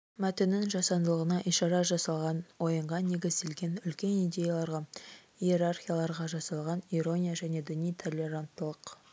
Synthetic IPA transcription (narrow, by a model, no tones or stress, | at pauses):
mæt̪enːɪŋʒɑsɑnd̪əlˠəʁənɑʔiʃɑɾɑʒɑsɑlˠʁɑnwo̞jəɴʁɑne̞ɡʲɪzd̪e̞lɡʲe̞nʏlkʲe̞nijd̪ʲe̞jalˠɑɾʁɑ | ije̞ɾarχʲijalˠɑɾʁɑʒɑsɑlˠʁɑniɾo̞nʲijaʒæne̞d̪ʏnijt̪ʰo̞lʲːe̞ɾant̪ːəlˠəq